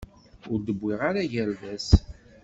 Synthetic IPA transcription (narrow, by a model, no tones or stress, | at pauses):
ʊɾd̪əbːɪʁaɾaʝəɾðæs